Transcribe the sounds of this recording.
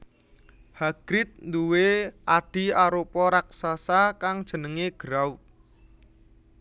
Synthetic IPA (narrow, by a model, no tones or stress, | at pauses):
haɡ̥ɾɪt̪̚nd̪uweʔaɖ̥i̤aɾopɔɾaksasakaŋd̥ʒ̥ə̤nəŋeɡ̥əɾau